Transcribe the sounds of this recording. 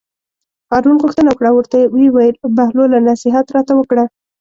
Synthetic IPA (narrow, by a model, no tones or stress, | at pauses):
ɣɑɾnunɣʊxt̪ənawəkɽawəɾt̪ajewewajəlbahlolanɑsɪɦat̪ɾɑt̪awəkɽa